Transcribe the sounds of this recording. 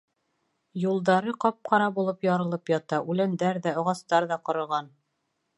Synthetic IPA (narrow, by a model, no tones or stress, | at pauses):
julˠd̪ɑɾɤqɒp̚qʰɑɾɑbulˠɤpjɑɾɤ̆lˠɤpjɒt̪ɑʔʉlænd̪æɾðæŏʁɑst̪ɑɾðɑqŏɾɤ̆ɾʁɑn